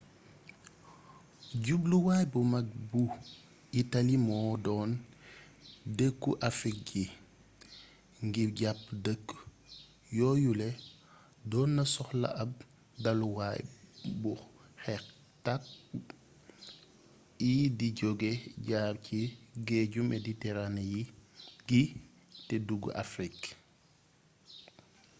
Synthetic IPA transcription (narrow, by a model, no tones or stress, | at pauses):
ɟubluwaːjbumɐk̚bu | itɐlimɔːdɔːn | dəkːuʔɐfik̚ɡi | ŋɡiɟap̚dəkː | jɔːjulɛ | dɔːnːɐsɔxlɐ̰ʔɐb̚ | dɐluwajbu | xɛk | tak̚ | idiɟɔɡeɟaːbciɡeːɟumʔɛditɛɾanjiɡi | tɛduɡ̰ʔa̰fɾik